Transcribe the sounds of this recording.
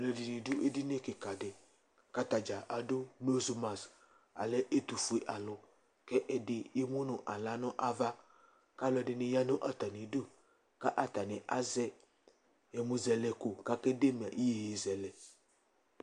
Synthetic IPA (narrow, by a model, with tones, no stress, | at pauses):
le˨di˨nĩ˨dʊ˦ʔe˦di˦ne˦ke˨ka˨de˨ | ka˦t̪a˨d͡ʒa˨ʔa˨do˦mo˦zu˨mã˨s | a̰˨le˦ʔe˦t̪u˨fu˨e˨ʔa˨lʊ˨ | kɛ˦ʔɛ˨dɪ˨je˦mũ˦nʊ̃˨ʔa˨la˨˦nɔ̃˦ʔa˦va˦ | ka˦lʊ˦˨ɛ˨dɪ˨nɪ̃˨ja˦nõ˦ʔa˦t̪a˨nĩ˨du˦ | ka˦ʔa˦t̪a˨nẽ˨ʔa˦zɛ˦ | jɛ˨mũ˨zɛ˨lɛ˨ko˨ka˦ke˦de˦m˨a˨ʔi˦je˨je˨zɛ˨lɛ˨